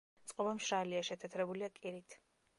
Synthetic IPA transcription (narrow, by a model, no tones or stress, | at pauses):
t̪sʼqʼɔbamʃɾaliaʃɛt̪ʰɛt̪ʰɾɛbuliakʼiɾit̪ʰ